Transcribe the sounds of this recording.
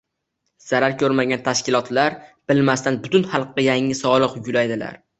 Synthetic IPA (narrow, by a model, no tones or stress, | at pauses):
z̥aɾaɾkʲʰɵɾmaɡʲant̪ʰaʃkʲɪlˠɒt̪laɾb̥ɪlmast̪anbʊt̪ʊnhɑlˠqːajaŋːɪsɒlˠɨqjʊlajd̪ɪla̰ɾ